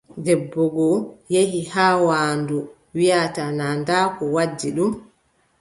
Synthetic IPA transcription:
dɛbːɔɡɔjehihaːwaːndu | wijatanaːndaːkɔwad͡ʒːiɗum

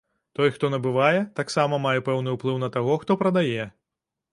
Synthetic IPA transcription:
t̪ɔjxt̪ɔnɐbɨvajɛt̪aksamɐmajɛpɛwnɨwplˠɨwnɐt̪aɣɔxt̪ɔpɾɐd̪ajɛ

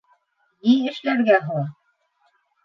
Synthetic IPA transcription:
niɘ̆ʃlæɾɡæɦɤ̆lˠɑ

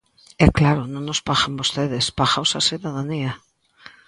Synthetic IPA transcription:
ɛklaɾʊnõŋnospaxambost̪eðɪspaxawsasiðaðaniɐ

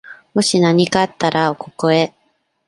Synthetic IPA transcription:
mo̞ɕinaɲ̟ikat̪ːaɾʔaokokoe

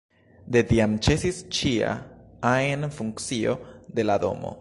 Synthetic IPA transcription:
d̪ed̪iamt͡ʃe̞sist͡ʃia̰aenfuŋkt͡ssio̞d̪e̞lad̪o̞̰mo̞̰

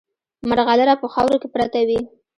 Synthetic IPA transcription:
maɾɣaləɾapəxɑwɾokepɾat̪awi

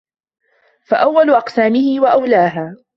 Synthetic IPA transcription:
fa̰ʔawːalʊʔɑqsaːmɪhɪwaʔawlaːɦaː

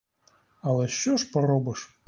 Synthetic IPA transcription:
ɐlˠɛɕɔʂpɐɾɔbɐʂ

